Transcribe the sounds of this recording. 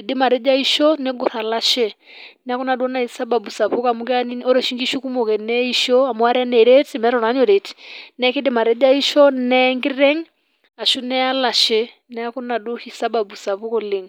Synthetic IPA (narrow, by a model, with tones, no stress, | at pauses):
dɪ˦ma˨ɾɛ˦d͡ʒa˦i˦ʃɔ˦nɛ˦ɡɔ˨θa˨la˦ʃɛ˦ | nɛ˨a˦kɔ˦na˨du˦ɔ˦na˨i˨sa˦ba˨bu˨sa˨βu˦ka˨mu˦kɛ˦a˦ni˦ɔ˦ɾɛ˨ʃi˦ŋɡi˦ʃu˦ku˦mɔ˨kɛ˨nɛ˦i˦ʃɔ˦a˨mu˨a˦ɾɛ˦nɛ˨ɾe˦tmɛ˦ɾɔ˨na˨˦ɲɔ˨ɾɛ˨ti̥nɛ˦ki˦di˦ma˨ɾɛ˦d͡ʒa˦i˦ʃɔ˦nɛ˦ŋɡi˦ɾɛ˦ŋ | a˨ʃu˦nɛ˦a˦la˨ʃɛ˦ | nɛ˦a˦ku˦na˨du˦hi˨sa˦ba˨bu˨sa˨βu˦kɔ˦˨le˨ŋ